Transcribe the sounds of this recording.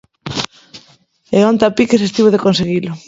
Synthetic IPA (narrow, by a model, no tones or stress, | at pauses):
eont̪apikesest̪iβoðekonseɣilʊ